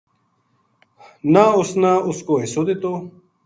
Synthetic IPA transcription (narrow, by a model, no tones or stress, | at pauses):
naːʊsnãːʊskoːɦisoːd̪et̪oː